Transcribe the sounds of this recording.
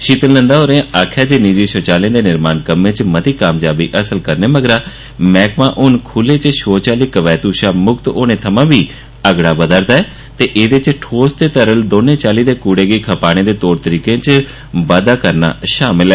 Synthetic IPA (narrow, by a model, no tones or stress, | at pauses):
ʃiːt̪ənlə̃nd̪aːɦoːɾẽãʔaːkʰjaːd͡ʒeːnid͡ʒiːʃoːt͡ʃaːleãːd̪eːnɪɾmaːnkəmẽːt͡ʃmət̪iːkaːmd͡ʒaːbḭːʔəsəlkəɾneːməɡəɾaː | mɛːkmãːʔʊnkʰʊleːt͡ʃʃoːt͡ʃaːliːkəʋɛːt̪uːʃaːmʊkt̪oːnẽːt̪ʰəmãːbiː | əɡɽaːbəd̪əɾd̪aːɛː | t̪eːʔeːd̪eːt͡ʃʈʰoːst̪eːt̪əɾəld̪oːnẽːt͡ʃaːliːd̪eːkuːɽeːɡəiːkʰəpaːɽ̃ẽːd̪eːt̪oːɾt̪əɾiːkẽːt͡ʃ | ʋaːd̪aːkəɾna̰ːʃaːmɪlɛː